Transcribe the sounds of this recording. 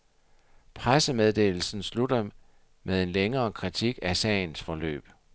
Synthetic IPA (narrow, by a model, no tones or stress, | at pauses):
pʰʁasəmeð̞ˠd̥e̝̰ːl̩sn̩slud̥ɐ | mʔeð̞ˠe̝nleŋɐːkʰʁit͡sʰiɡ̥æsɛ̰ːɪnsfɒ̽lø̰ːb̥